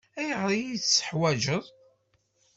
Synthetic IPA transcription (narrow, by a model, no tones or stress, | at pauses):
æjəʁɾˤijiθsːə̥ħwæd͡ʒəðˤ